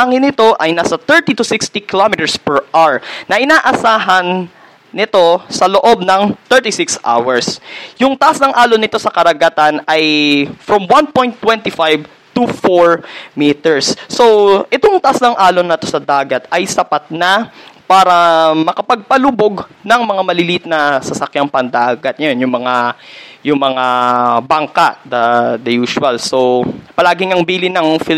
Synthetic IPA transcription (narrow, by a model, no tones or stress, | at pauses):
aŋɪnːɪt̪o̞ʔɐjnaːsɐt̪ɛɹt̪it̪ʊsɪkst̪ikɪlomɪt̪ɛɹspɛɹʔaɹnɐʔɪnaːʔɐsaːɦɐnː | ɪt̪o̞sɐloʔo̞b̚nɐŋt̪ɛɹt̪isɪksʔa̰wɐɹsjʊŋt̪ɐʔasnɐŋʔaːlonɪt̪o̞sɐkɐɾɐɡɐt̪anɐjfɹɔmwanpo̞jnt̪ːwɛ̃nt̪ɪfajv | t̪ʊfoɹmit̪ɛɹsːowʔɛt̪oŋt̪ɐʔasnɐŋʔaːlonɐt̪o̞sɐd̪aːɡɐt̪ɐjsɐpat̪̚nɐpaːɾɐmɐkɐpɐɡ̚pɐluboɡnɐŋmɐŋamɐlɪlit̪nɐsɐsɐkjaŋpɐnd̪aːɡɐt̪̚ɲɐonjʊŋmɐŋajʊŋmɐŋabɐŋkad̪ɐd̪ɐjuːʃʊɐlsowpɐlaːɡɪŋɐŋbiːlɪnɐŋf